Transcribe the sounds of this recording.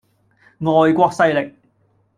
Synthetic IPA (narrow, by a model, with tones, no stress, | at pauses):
ŋɔː˨˧jkʷɔː˧k̚sɐ˧jlɪ˨k̚